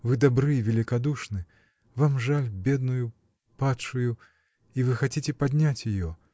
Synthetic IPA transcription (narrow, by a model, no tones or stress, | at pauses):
vɨd̪abɾɨvʲelʲikad̪uʂnɨ | vamʐalʲbʲɛd̪nuju | patʂuju | ivɨxat͡sʲit͡sʲɛpad̪ʲnʲat͡sʲjɪjɔ